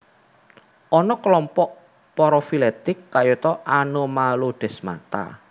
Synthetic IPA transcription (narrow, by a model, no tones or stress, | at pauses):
ʔɔnɔkəlɔmpɔʔ | pɔɾɔfilɛt̪ɪkːajut̪ɔʔanomaloɖ̥ɛ̤sma̰t̪a̰